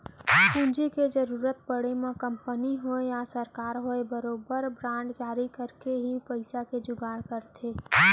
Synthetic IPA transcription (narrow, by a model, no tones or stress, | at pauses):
kũnd͡ʒiked͡ʒəɾuːɾət̪̚pəɽ̤emẽkə̃mpəniɦoejasəɾkaːɾɦoebəɾoːbəɾbɾãːɳɖd͡ʒaːɾikəɾkeɦipəɪsaked͡ʒʊɡaːɽkəɾt̪ʰeː